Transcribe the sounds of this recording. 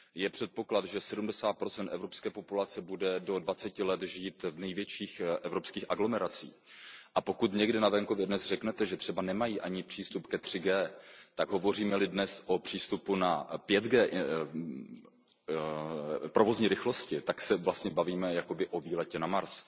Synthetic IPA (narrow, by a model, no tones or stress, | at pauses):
jɛpr̝̥ɛt̪̚po̞klat̪ʒɛsɛdumdɛsaːt̪̚pɾo̞t͡sɛnt̪ʔɛvɾo̞pskɛːpo̞pulat͡sɛbudɛdo̞dvat͡sɛcɪlɛt̪ʒiːt̪vnɛjvjɛt͡ʃiːxʔɛvɾo̞pskiːxʔaɡlo̞mɛɾat͡sḭːʔapo̞kut̪ɲɛɡdɪnavɛŋko̞vjɛdnɛzr̥ɛknɛt̪ɛʒɛt̪r̝̥ɛbanɛmajiːʔaɲɪpr̝̥iːst̪upkɛt̪r̥ɪɡɛːt̪aɡɦo̞vo̞riːmɛlɪdnɛsʔo̞pr̝̥iːst̪upunapjɛd̪ɡɛːʔ | pɾo̞vo̞zɲiːɾɪxlo̞scɪt̪aksɛvlast̪ɲɛbaviːmɛjako̞bɪʔo̞viːlɛcɛnamaɾs